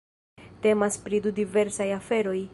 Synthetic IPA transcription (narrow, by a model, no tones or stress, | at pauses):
te̞maspɾidudive̞ɾsajafe̞ɾo̞j